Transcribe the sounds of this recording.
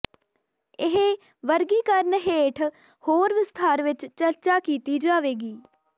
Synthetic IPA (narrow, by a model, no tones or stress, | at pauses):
ɪɦe | ʋəɾɡiːkəɾnɦeːʈʰ | hoːɾʋɪst̪ʰaːɾʋɪt͡ʃt͡ʃəɾt͡ʃaːkiːt̪iːd͡ʒaːʋeːɡiː